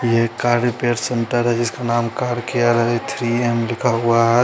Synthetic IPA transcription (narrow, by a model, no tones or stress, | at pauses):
jɛɦkaːɾɾipeːɾseɳʈəɾɦɛd͡ʒɪskanaːmkaːɾkijaɾɦɛet̪ʰɾiemlɪkʰaɦuaɦɛ